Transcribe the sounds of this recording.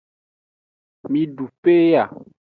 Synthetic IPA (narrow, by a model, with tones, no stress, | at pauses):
mĩ˨ɖu˨pe˦ja˨